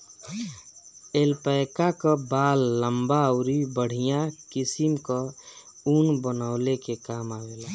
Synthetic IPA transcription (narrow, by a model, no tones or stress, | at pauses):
elpəjkakəbaːlːəmbaəʊɾibəɽ̤ijãkisimkɔ | unbənaʊlekekaːmawela